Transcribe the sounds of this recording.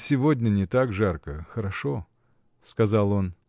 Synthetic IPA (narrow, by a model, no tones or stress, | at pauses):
sʲɪvodʲnʲənʲɪt̪akʐarkəxəɾɐʂo̞ | skɐzalˠo̞n